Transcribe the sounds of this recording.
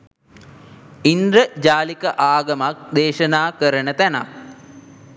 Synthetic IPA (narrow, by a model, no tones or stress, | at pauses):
ind̪ɾəd͡ʑaːlikəʔaːɡɐmak̚d̪eːʃənaːkəɾənət̪æna̰